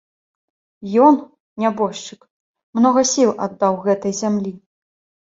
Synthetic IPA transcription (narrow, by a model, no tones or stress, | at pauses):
jɔn | nʲabɔʂt͡ʂɨk | mnɔɣɐsʲilˠʔa̰d̪ːawɣɛt̪ɐjzʲamlʲi